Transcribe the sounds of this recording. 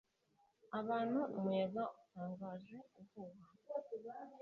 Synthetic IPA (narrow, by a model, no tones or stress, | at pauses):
aβaːn̤̥umweːβautaːŋɡaːʒeuvuβa